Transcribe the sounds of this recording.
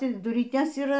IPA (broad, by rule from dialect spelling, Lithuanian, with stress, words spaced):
ˈtʲɪ dʊrʲiːˈtʲeːs iːˈrɐ